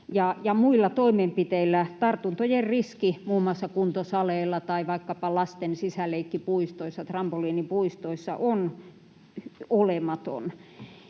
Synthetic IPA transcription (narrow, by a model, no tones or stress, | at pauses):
jɑjɑmuilːɑt̪oimempit̪eilːæt̪ɑrt̪unt̪ojerriskimuːmːˑoɑsːɑkunt̪osɑleːlːɑt̪ɑiʋɑikːɑpɑlɑst̪ensisæleikːipuist̪oisːɑt̪rɑmpoliːnipuist̪oisːɑ̰ʔon | olemɑt̪o̰n